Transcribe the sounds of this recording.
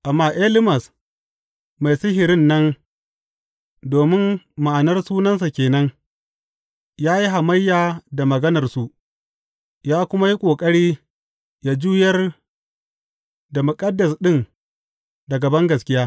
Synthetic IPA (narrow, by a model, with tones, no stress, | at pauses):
ʔa˨mːaː˦ʔe˦lɪ˦mɐ˨s | ma˨jsɪ˦ɦɪ˨ɾɪ˦nːɐ˦n | doː˨mɪ˦n | ma˨ʔa˨nɐ˦rsuː˦nɐ˦ns̬a˨kʲeː˨nɐ˦ŋ | jaː˦ji˦ɦa˨mɐ˦jːaː˨da˨mɐ˨ɡɐ˦nɐ˨rsu˦ʔ | jaː˦kʷʊ˦ma˦ji˦kʷʼoː˨kʼɐ˦ɽiː˦ | ja˨d͡ʒuː˦jɐ˦r | da˨mʊ˨kʼɐ˦dːɐ˨sɗɪ˦n | da˨ɡɐ˨bɐ˦ŋɡɐ˨skʲɪ˦jaː˦